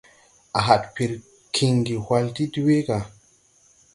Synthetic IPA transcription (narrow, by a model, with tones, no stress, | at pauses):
ʔa˨ɦa˨tpi˨ɾ | kʰi˨ŋɡi˨hwa˧lti˦di˦we˦ka˨